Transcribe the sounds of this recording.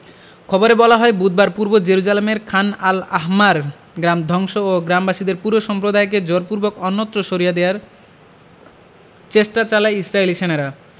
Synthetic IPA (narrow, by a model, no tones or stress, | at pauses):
kʰɔboɾebɔlaɦɔebud̪̚baɾpuɾbod͡ʑeɾud͡ʑalemeɾkʰanalaɦmaɾ | ɡɾamd̪ʱɔŋʃooɡɾambaʃid̪eɾpuɾoʃɔmpɾod̪aek̬ed͡ʑoɾpuɾbokɔnːot̪ːɾoʃoɾijad̪eaɾ | t͡ɕeʃʈat͡ɕalaeisɾailiʃenaɾa